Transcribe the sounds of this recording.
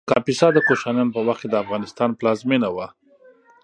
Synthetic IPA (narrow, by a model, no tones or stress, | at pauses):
kɑpisɑd̪əkoʃɑnjɑnopəwaxked̪əafɣɑnɪst̪ɑnplɑzmenawa